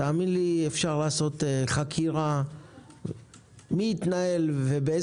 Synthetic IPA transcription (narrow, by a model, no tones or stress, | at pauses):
aːminliefʃaʁlaːso̞t̪eχakʰiʁa | miːt̪nae̞lvebee